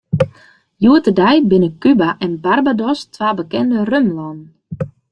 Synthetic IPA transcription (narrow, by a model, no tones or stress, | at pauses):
juətədɛjbɪnəkybaʔɛnbarbadɔstʰʋaːbəkɛndərømlɔn